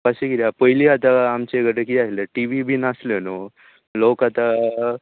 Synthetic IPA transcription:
paɕiɡiɾjapəjliat̪aːmt͡ɕeɡəʈekiaɦleʈiʋibʱiːnasləno | lokat̪a

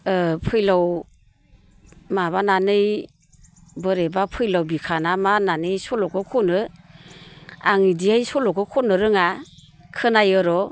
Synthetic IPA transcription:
pʰɯjlaw | maβananɯj | bɯɾebapʰɯjlawbikʰanamananɯjsɔlɔkʰɯkʰɔnɯ | a̰ŋidiajsɔlɔkʰɯkʰɔnɯɾɯŋa | kʰɯnajɯɾɔ

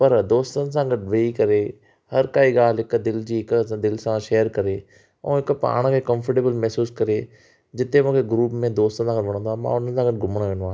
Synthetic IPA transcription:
pɐɾd̪oːst̪əns̬ãɡəɖʋɐikɐɾeː | hɐɾkaːiːɡaːlɦɪkd̪ɪld͡ʑiːɪkd̪ɪlsãʃeːəɾkɐɾeː | ṵ̃ːɪkpa̰ːɽ̃kʰeːkəmfʰəʈeːbəlmɛɦsuːskɐɾe | d͡ʑɪt̪emʊ̃ːkʰeɡɾuːpmẽd̪oːst̪ənsãːɡəʋɐɽ̃õːd̪amã̰ːʊn̤ən̆sãːɡəʈɡʊməɽ̃ʋẽːnʋaː

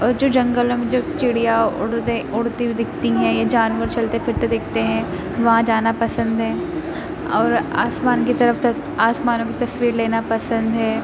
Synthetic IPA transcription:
ɔːɾd͡ʒoːd͡ʒɐ̃ŋɡəlõmẽd͡ʒoːt͡ʃɪɽijaʊɽt̪eʊɽt̪ibid̪ɪkʰt̪iɦɛ̃jad͡ʒaːnʋəɾt͡ʃɐlt̪epʰɪɾt̪ed̪ɪkʰt̪eɦɛ̃ | ʋɐɦãd͡ʒaːnapɐsə̃nd̪ɦɛː | ɔːɾa̰ːsmaːnkit̪ɐɾəft̪ɐ | aːsmaːnõkit̪ɐsʋiːɾleːnapɐsə̃nd̪ɦɛː

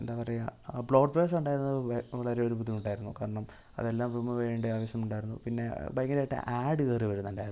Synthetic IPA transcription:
end̪aːpɐrɐjɐbɭoːɖʋeːs̬uɳɖaːjiɾunːɐðʋɐɭɐɾe̞oɾubuðːijuɳɖaːjiɾunːukaːɾɐɳɐm | ɐ̰ðe̞lːaːmʋimːɐʋeːɳɖeaːʋɐɕjɐmuɳɖaːjɾunːṵpinːe̞bɐjŋɐlajiʈːḛʔaːɖɨkeːriʋɐɾunːɐɳɖaːjɾ

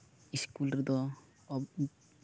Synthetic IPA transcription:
iskulɾid̪ɔ

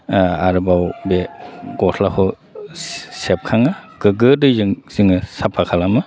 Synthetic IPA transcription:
aɾɯbawbeɡɔsʰlakʰɔ | sep̚kʰaŋaɡɯɡɯdɯjzɯŋz̥iŋɯsapʰakʰalamɯ

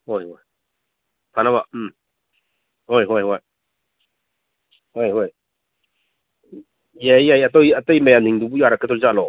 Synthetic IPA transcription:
hojɦoj | pʰanaβa | hojɦojɦoj | hojɦoj | jajajɐtɔjɐtajmajamtʰiŋdubujaɾakʰːətʰɔlzalɔ

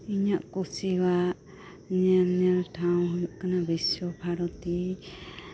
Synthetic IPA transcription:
iɲaʔkusiwaʔ | ɲɛlɲɛlʈʰaw̃ɦujuʔkanabiswɔbʱaɾɔt̪i

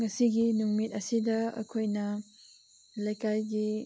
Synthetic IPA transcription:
ŋɐsiɡinuŋmit̚ɐsidɐɐ̰kʰojnɐ | lɐjkajɡi

